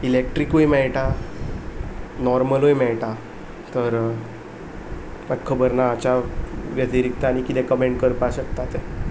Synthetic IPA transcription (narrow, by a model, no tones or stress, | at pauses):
ilek̚ʈɾikojmɛɭʈa | nɔɾməlojmɛɭʈa | t̪əɾ | məɡkʰːəbəɾnaːt͡ɕaʋjət̪iɾik̚t̪aːɽ̃ikit̪ɛ̃kəmẽɳɖ̚kəɾpaɕəkt̪at̪e